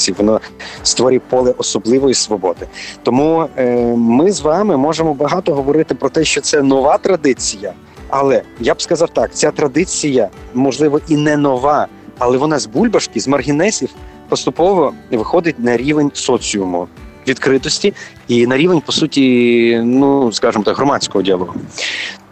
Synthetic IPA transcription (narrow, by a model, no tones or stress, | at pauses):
iʋɔnɔst̪ʋɔɾʲipɔlˠɛʔɔsɔblˠɪʋɔjisʋɔbɔd̪ɪt̪ɔmu | mɪzʋɑmɪmɔʒemɔbɐɦɑt̪ɔɦɔʋɔɾɪt̪ɪpɾɔt̪ɛʃt͡ʃɔt̪sɛnɔʋɑt̪ɾɐd̪ɪt͡sʲijɐ | ɐlˠɛjabskɐzɑwt̪ɑk̚t͡sʲat̪ɾɐd̪ɪt͡sʲijɐmɔʒlˠɪʋɔʔinɛnɔʋɑ | ɐlˠɛʋɔnɑzbulʲbɐʃkɪzmɐrɦʲinɛsʲiw | pɔst̪ʊpɔʋɔʋɪxɔd̪ɪt̚ʲnɐɾʲiʋenʲsɔt͡sʲiʊmʊ̰ʋʲid̪kɾɪt̪ɔsʲtʲi | inɐɾʲiʋenʲpɔsutʲinuskɑʒɪmɔt̪akɦɾɔmɑt͡sʲkɔɦɔdʲiɐlˠɔɦʊ